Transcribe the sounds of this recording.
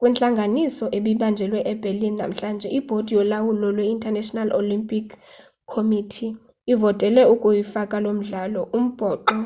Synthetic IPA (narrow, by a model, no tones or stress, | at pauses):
kʼwɛnt͡ɬʼaŋɡʱanisɔʔeɓiɓand͡ʒʱɛlwɛʔɛb̥ʱelinna̰m̩ɬand͡ʒʱɛʔib̥ʱodʱijɔlawulɔlwɛintʼʰanɛʃɔnalolimpʼikʰː | omitʰiː | vɔtʼɛlɛukʼujifakʼalom̩ɮaːlɔʔum̩b̥ʱɔːǃɔ